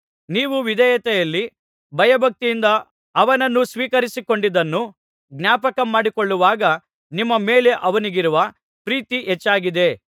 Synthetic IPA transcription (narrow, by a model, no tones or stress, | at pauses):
niːʋuʋid̪ɛjɐt̪ɛjɐlːi | bʱɐjɐbʱɐk̚t̪ijːnd̪ɐː | ʋɐnɐnːusʋiːkɐɾisiko̞ɳɖid̪ɐnːu | ɡnaːpɐkɐmaːɽikoɭːuʋaːɡɐ | nimːɐmeːle̞ʔɐʋɐniɡiɾuʋɐ | pɾiːt̪iʔɛt͡ʃːaːɡid̪e̞